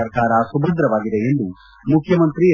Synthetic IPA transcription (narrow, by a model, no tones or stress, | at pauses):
ɐɾkaːɾɐsubɐd̪ɾɐʋaːɡid̪eend̪u | mukʰjɐmɐnt̪ɾi